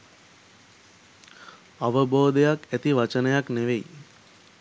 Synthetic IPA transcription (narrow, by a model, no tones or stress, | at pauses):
aʋəboːd̪ejakæt̪iʋat͡ʃənəjakneʋej